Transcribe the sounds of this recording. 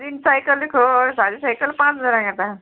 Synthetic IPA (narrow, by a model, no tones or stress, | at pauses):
dinsajkəlikʰosadisajkəlpãt͡sd͡zaɾãɡat̪a